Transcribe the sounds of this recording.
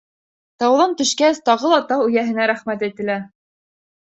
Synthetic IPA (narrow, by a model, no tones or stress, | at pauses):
t̪ɑwðɑnt̪ɵ̆ʃkæst̪ɑʁɤlˠɑt̪ɑɵ̆jæɦɘ̆næɾæχmæt̪æjt̪ɘ̆læ